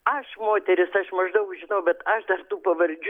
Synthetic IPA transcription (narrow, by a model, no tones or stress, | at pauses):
ɐʃmoːt̪ʲɛɾʲɪsɐʃmɐʒd̪ɐʊkʒʲɪnɐʊbʲɛt̪ɐʃd̪ɐrt̪uːpɐʋɐɾʲd͡ʒʲ